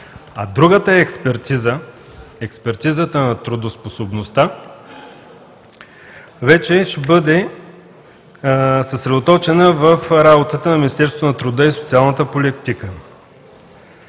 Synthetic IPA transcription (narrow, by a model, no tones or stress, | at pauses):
ɐd̪ɾuɡət̪əɛkspɛɾt̪izə | ɛkspɛɾt̪izət̪ənɐt̪ɾʊd̪osposobnost̪a | vɛt͡ʃɛʃɛbɤd̪ɛ | səsɾɛd̪ot̪ɔt͡ʃɛnəvəfɾabot̪ət̪ənɐmʲinist̪ɛɾsot̪onɐt̪ɾʊd̪əisot̪sialˠnət̪əpolʲit̪ikə